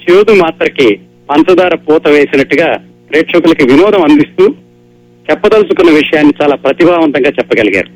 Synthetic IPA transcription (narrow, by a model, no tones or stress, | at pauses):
t͡ʃeːd̪umaːt̪ɾɐki | pɐnsɐd̪aːɾɐpɔːt̪ɐʋe̞ːsinɐʈːuɡaː | pɾɐjːʈʂɐkulɐkiʋinɔːd̪ɐmɐnd̪ist̪uː | t͡ʃɛpːɐd̪ɐlusukunːɐʋiʂɐjaːnːit͡ʃaːlaːpɾɐt̪ibʱaːʋɐnt̪ɐŋɡaːt͡ʃɛpːɐɡɐliɡa̰ːɾu